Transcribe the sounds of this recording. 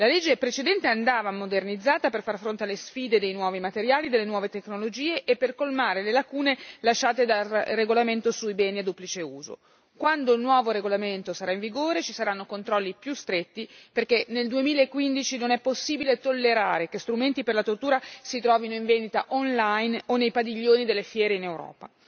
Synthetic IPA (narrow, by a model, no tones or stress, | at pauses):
laled͡ʒːepɾet͡ʃed̪ɛnt̪eand̪aːvamod̪ernid̪zːaːt̪aperfarfɾont̪ealːesfiːd̪ed̪ejnwɔːvimat̪eɾjaːlid̪elːenwɔːvet̪eknolod͡ʒiːeʔepːerkolmaːɾelelakuːnelaʃːaːt̪ed̪alreɡolament̪osujbɛːniad̪uplit͡ʃeuːzo̰ | kwand̪oilnwɔːvoɾeɡolament̪osaɾaĩɱviɡoːɾet͡ʃisaɾanːokont̪ɾɔlːipjust̪ɾet̪ːiperkeneld̪uemiːlaekːwind̪it͡ʃinonɛpːosːiːbilet̪olːeɾaːɾekest̪ɾument̪iperlat̪ort̪uːɾasit̪ɾɔːvinoiɱvenit̪a̰ʔɔnlajnonːejpad̪iʎːoːnid̪elːefjɛːɾeinewɾɔ̰ːpa